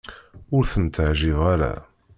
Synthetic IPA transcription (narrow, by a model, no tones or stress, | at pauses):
ʊɾθənt̪əʕʒɪʁaɾa̰